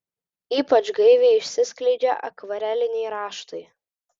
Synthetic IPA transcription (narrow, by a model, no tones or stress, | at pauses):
iːpɐt͡ʃɡɐɪʋʲeɪɪʃʲsʲɪsʲklʲɛɪd͡ʒʲɛ̰ʔɐ̰kʋɐɾʲɛlʲɪnʲɛɪɾɑːʃt̪ɐɪ